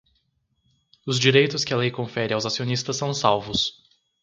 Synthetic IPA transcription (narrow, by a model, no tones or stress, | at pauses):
ʊzd͡ʒiɾejt̪ʊskɪalejkõfɛɾɪawzasionist̪ɐsːɐ̃w̃sawvʊs